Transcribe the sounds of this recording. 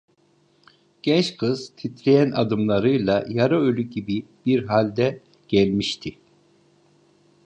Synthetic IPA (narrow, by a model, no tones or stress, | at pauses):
ɟ̥ɛnt͡ʃkʰɯz̥t̪ʰit̪ʰlʲejænad̪ɯmlˠaɾɯjlˠajaɾaølʲyɟibib̥iɾɦalʲd̪ɛ | ɟ̥ɛlʲmiʃt̪ʰi